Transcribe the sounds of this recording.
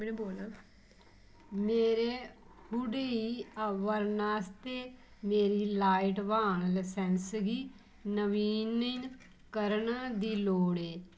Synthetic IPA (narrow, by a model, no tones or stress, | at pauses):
mɛːnuboːlaː | meːɾeː | hʊɽeiəʋəɾnaːst̪eːmeːɾiːlaːɪʈʋãːɳləsɛnsɡiː | nəʋiːnən | kəɾɳd̪iːloːɽeː